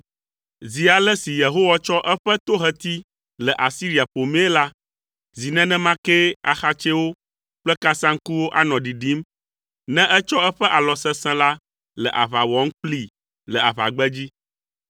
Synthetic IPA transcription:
zi˨a˨lɛ˦si˨je˨ɦo˦wa˦t͡ʃɔ˦ʔɛ˦ɸɛ˦t̪o˦ɦɛ˨t̪i˦ | lə˨ʔa˨si˦ɾi˨a˨ɸo˨me˦e˦la˦ | zi˨nɛ̃˦nɛ̃˦mã˦kɛ˦a̰˨xa˦t͡ʃe˦wo˦ | k͡plɛ˦ka˦sã˦ŋ̩˦ku˦wo˦ʔa˦nɔ̃˨ɖi˨ɖi˨˦m | nɛ̃˦ʔɛ˦t͡ʃɔ˦ɛ˦ɸɛ˦ʔa˨lɔ˨sɛ̃˦sɛ̃˦la˦ | lə̰˨ʔa˨βa˨wɔ˨˦ŋ̩˦k͡pli˦ | lə˨a˨βa̰˨ɡ͡bɛ˦d͡ʑi˦

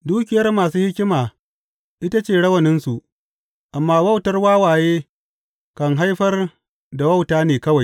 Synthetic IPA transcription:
duː˦kʲɪ˨jɐ˦rmaː˨suː˦hɪ˦kʲɪ˦maː˨ | ʔɪ˦ta˦t͡ʃeː˦˨ɽɐ˦wɐ˨nɪ˦nsu˨ʔ | ʔa˨mːaː˦wɐ˦wtɐ˦rwaː˦waː˨jeː˦ | kɐ˨ŋɦa˦jɸɐ˦r | da˨wɐ˦wtaː˦neː˨kɐ˦wa˨j

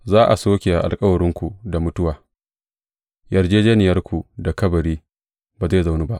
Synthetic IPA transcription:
zaː˦ʔa̰˨soː˦kʲe˨a˨ʔa̰˨lkʼɐ˦wɐ˨ɾɪ˦ŋkʷu˨da˨mʊ˦tʊ˦waː˨ | jɐ˨rd͡ʒeː˦d͡ʒeː˦nɪ˨jɐ˦rkʷu˨da˨kɐ˦bɐ˨ɾiː˦ | baː˨za˦˨za˨wnu˦ba˦ʔ

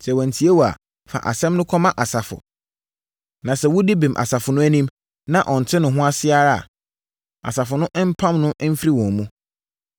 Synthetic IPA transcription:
sɛ˨wɔ̃˨n̩˨tʰi˨˦e˦wɔ˨a̰˨ | fa̰˨ʔa̰˨sɛ̃˦mnʊ̃˦kʰɔ˦mã˦ʔa˨sa˨fʊ̰˨ | nã˨sɛ˨wʊ˦di˦bĩ˨mʔa̰˨sa˨fʊ˨nʊ̃˦æ˦nĩ˦m | nã˨ʔɔ˨n̩˨tʰɪ˦nʊ̃˨ɦʊ̃˦a˦sɪ˦a˨ɾa˦a̰˨ | a̰˨sa˨fʊ˨nʊ̃˦ʔm̩˦pʰã˦mnʊ̃˦ʔm̩˦fɾi˦wɔ̃˨m˨mũ˦

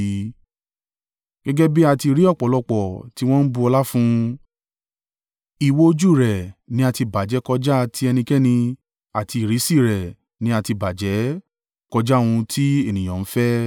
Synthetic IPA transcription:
ɡ̥ɛ˦ɡɛ˦bi˦a˧ti˧˨ɾi˦ɔ˦˨k͡pɔ˨˦lɔ˧k͡pɔ˨ti˦w̃ɔ̃˦n̩˦bu˧ɔ˧la˦fũ˦ | i˨wo˦o˧d͡ʒu˦˨ɾɛ˨nĩ˦a˧ti˧ba˨d͡ʒɛ˨˦kɔ˧d͡ʒa˦˧tʰi˦ɛ˧nĩ˧kɛ˦nĩ˧ | a˨ti˧i˨ɾi˨˦si˦˨ɾɛ˨ | nĩ˨˦a˧ti˧ba˨d͡ʒɛ˨˦ | kɔ˧d͡ʒa˦˨w̃ũ˧tʰi˦e˦˨nĩ˨j̃ã˨n̩˨˦fɛ˦

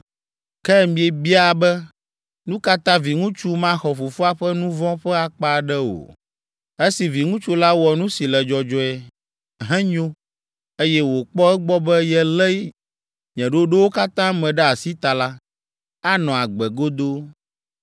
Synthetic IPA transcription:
kɛ˦˨mĩ˨e˨bi˦a˨bɛ˦ | nũ˦ka˦t̪ã˦vi˨ŋũ˦t͡ʃu˦mã˦xɔ˨fo˨fu˦a˦ɸɛ˦nũ˦vɔ̃˦ɸɛ˦a˨k͡pa˦˨ɖɛ˦o̰˨ | e˦si˨vi˨ŋũ˦t͡ʃu˦la˦wɔ˨nũ˦si˨lɛ˨d͡ʒɔ˨d͡ʒɔ˦ɛ˨ | ɦɛ̃˦ɲo˦ | e˦jɛ˦wo˨k͡pɔ˦ɛ˦ɡ͡bɔ˦bɛ˦jɛ˦lɛ˦ | ɲɛ̃˨ɖo˦ɖo˦wo˦ka˦t̪ã˦mɛ̃˨ɖɛ˦a˨si˦t̪a˨la˦ | a˦nɔ̃˨a˨ɡ͡bɛ˨ɡo˦d̪o˦

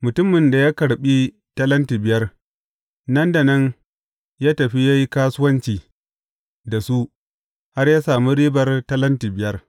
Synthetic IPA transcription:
mʊ˨tʊ˦mːɪ˨nda˨jaː˦kɐ˨ɽɓi˦ | tɐ˦lɐ˦ntiː˨bɪ˨jɐ˦r | nɐ˦nda˨nɐ˦n | jaː˦tɐ˨ɸi˦ja˦ji˦kaː˦sʊ˦wɐ˦nt͡ʃiː˨ | da˨su˦ʔ | ha˦rjaː˦saː˨mi˦ɽiː˦bɐ˨rtɐ˦lɐ˦ntiː˨bɪ˨jɐ˦r

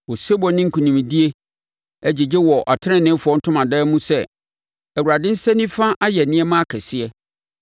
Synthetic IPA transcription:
wɔ˨se˦bɔ˨nɪ̃˦ŋ̩˦kʰũ˨nĩ˨mĩ˨di˦e˦ | æ˦d͡ʑɪ˨d͡ʑɪ˦wɔ˨ʔa˨tʰɪ˦ɪ̃˦˨nɪ̃˦fʊ˨ɔ˦n̩˦tʰʊ̃˦mã˨dɛː˦mũ˦sɛ˦˨ | æ˨wu˨ɾa˨dɪ̃˦n̩˦sɛ̃˦nĩ˦fã˦ʔa˦jɛ˨nɪ̃˦ɛ˦mã˦a˦kʰɛ˨sɪ˦ɛ˦

